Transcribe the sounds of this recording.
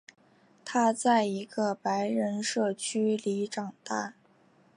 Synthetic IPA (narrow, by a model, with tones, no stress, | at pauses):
t̪ʰa˥t͡sa˥˩ɪi˧˥ɡə˧pa˧˥ɪɻə˧˥nʂɤ˥˩t͡ɕʰy˥li˧˥ʈ͡ʂɑ˨˩ŋt̪a̰˥˩